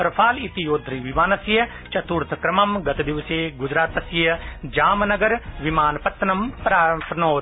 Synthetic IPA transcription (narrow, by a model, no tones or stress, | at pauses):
pɾpʰaːlit̪ijoːd̪ʱɾiʋɪmaːnɐsjɐ | t͡ʃɐt̪uːɾt̪ʰkɾɐmɐmɡɐt̪d̪ɪʋəseːɡʊd͡ʒɾaːt̪ɐsjɐd͡ʒaːmnɐɡəɾʋɪmaːnpɐt̪nɐmpɾaːpnoː